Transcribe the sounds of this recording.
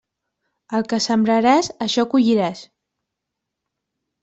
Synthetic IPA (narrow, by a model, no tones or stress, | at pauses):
əlˠkəsəmbɾəɾazəʃɔkuʎiɾas